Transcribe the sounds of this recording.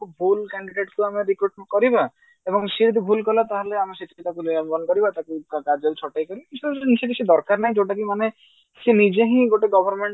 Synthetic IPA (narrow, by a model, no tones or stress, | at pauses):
bʱulkɛɳɖiɖeʈkuameɾikɾuʈkɔɾiba | ebɔŋset̪̬ibʱulkɔlat̪aɦeleameset̪ʰikit̪akuliɔmbɔnkɔɾibat̪akukkaɾd͡ʒɔlt͡ʃʰɔʈajkɔɾisseʈ̪ised̪ɔɾkaɾnaɦĩd͡ʒoʈak̬imane | senid͡ʒeɦĩɡoʈeɡɔbʱɔɾmeɳʈ